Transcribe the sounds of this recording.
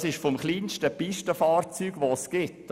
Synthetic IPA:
sɪʃfɔmχliːnʃtəpɪʃtəfɑːrt͡syːɡ̥ʋosɡ̥ɪtː

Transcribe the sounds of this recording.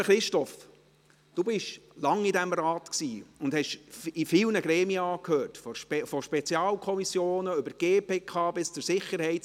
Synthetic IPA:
χɾɪʃtɔf | d̥ubɪʃlɑŋidæmɾɑːtksiːʊndhɛʃifɪlnəɡɾɛːmiəɑːkhøːɾtfɔʃpfɔʃpɛt͡sjɑːlkʰɔmisjoːnəʏbəɾɡ̥eːpeːkʰɑːbɪst͡sʊɾsɪχəɾhɛɪt

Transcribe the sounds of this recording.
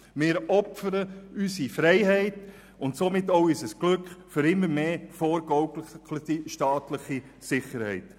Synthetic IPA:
mɪːɾɔpfəɾəysifɾɛɪɦɛɪt | ʊntsomɪtːoʊysəsɡ̥lʏkχfʏɾɪmːəɾmeːfɔːɾɡɔʊɡlləiʃtɑːtlɪχi | sɪχəɾhɛ̰ɪt

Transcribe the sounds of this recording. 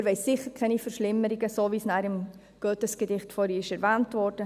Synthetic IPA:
ɾʋɛɪsːɪχəɾkʰɛnifəɾʃlɪmːəɾiɡəsoːʋiːsnæːɾɪm | ɡ̥œtəsɡ̥ədɪχtfɔːɾiɪʃɛɾvæːntvɔːrd̥ə

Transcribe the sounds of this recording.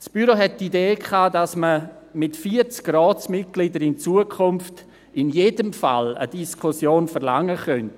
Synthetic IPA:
sb̥yɾoɦɛtːideːkʰχaːdasmə | mɪtfiːəɾt͡skrɔːt͡smɪt̚ɡ̥lidəɾɪnt͡suəkʰʊnft | ɪnjedəmfa̰lə̰d̥iskʰʊsjoːnfəɾla̰ŋːəχœnt

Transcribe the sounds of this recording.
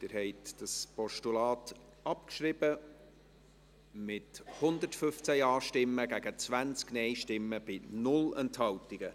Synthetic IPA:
d̥ɪɾhɛɪtd̥ɑspɔʃtulɑːt | ɑpkʃɾɪb̥ə | mɪthʊnd̪ətfʏft͡sæjɑːʃtɪmːəɡæɡ̥ət͡sʋænt͡sknɛɪʃtɪmːəb̥ɪnʊlɛnthɑwtɪɡ̥ə

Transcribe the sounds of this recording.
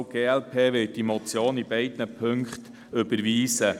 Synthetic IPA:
ɡ̥eːɛlpʰeːʋɪd̥imɔt͡sjoːnib̥ɛɪdnəpʰɵŋkχt | ɵbəɾʋiːsə

